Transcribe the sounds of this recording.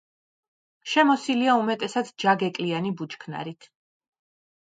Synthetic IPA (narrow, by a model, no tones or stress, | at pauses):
ʃɛmɔsiliaumɛt̪ʼɛsad̪d͡ʒaɡɛkʼlianibut͡ʃkʰna̰ɾit̪ʰ